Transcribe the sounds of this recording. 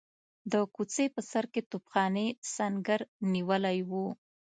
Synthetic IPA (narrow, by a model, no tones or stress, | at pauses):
d̪əkut͡sepəsaɾket̪upxɑnesaŋɡəɾniwəlajwu